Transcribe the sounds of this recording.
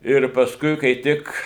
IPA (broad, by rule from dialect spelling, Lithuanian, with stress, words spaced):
ɪr pɐsˈkʊɪ kɐɪ ˈtʲɪk